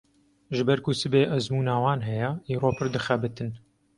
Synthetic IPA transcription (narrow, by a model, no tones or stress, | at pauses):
ʒɨbɛɾkusɨbeːʔɐzmuːnaːwɑːnɦɛjɛiːroːpʰɨɾd̪ɨxɛbɨt̪ɨn